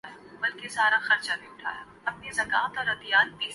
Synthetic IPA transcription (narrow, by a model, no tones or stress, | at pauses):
jabɐlkesaːɾaxɐɾt͡ʃabʱiʊʈʰa̰ːja | ɐpnizɐkaːt̪ɔːɾɐt̪ijaːt̪̚piː